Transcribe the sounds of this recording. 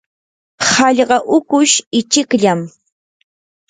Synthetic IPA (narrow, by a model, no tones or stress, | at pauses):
hɑʎɢɑʔʊkʊʃɪt͡ʃɪkʎam